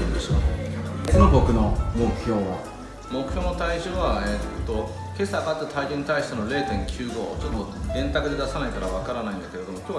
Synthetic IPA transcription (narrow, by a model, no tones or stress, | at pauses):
ɯ̃nd̪eɕokonobo̞kɯ̟nomokɯ̟ço̞ːβa | mo̞kɯ̟̥çʲo̞ːnot̪aiʑoːβaet̪t̪ːo̞ | ke̞sakat̪ːet̪ʰaid͡ʑoːɲ̟it̪aiɕi̥t̪eno̞ɾe̞ːt̪ẽ̞ŋkʲʰɨːɡo̞ːt͡ɕot̪ːoɡ̪ẽ̞nt̪akɯ̟d̪e̞d̪asanaikaɾaβ̞akaɾanaĩnd̪ake̞ɾe̞d̪o̞mo̞kʲoː